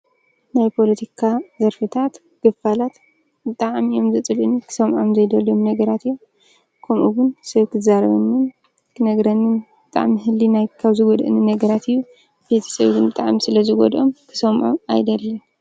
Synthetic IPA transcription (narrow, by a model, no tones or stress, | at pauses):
najpʰo̞lɐt̪ʰikʰazɐɾfɨt̪ʰat̪ | ɡ̥ɨfalat̪ | bɨt̪ʼaʕmiʔo̞mzɨt͡s̪ʼɨlʔɨnkʰɨ̥sɐmʕomzɐjd̪ɐlomnɐɡɐɾat̪ijːom | kʰɐmʔuɡʊnsɐβkʰɨzaɾɐβɐnːɨn | kʰɨnɐɡɾɐnːɨnbɨt̪ʼa̰ʕmiɦɨlːinajkʰɐβzɨɡod̪ʔɨ̰nɨnɐɡɐɾat̪ʰijːu | bet̪ʰi̥sɐβt̪ɨnbɨt̪ʼaʕmisɨlɐzɨɡo̰d̪ʔomkʰɨ̥sɐmʕoma̰jd̪ɐlːɐ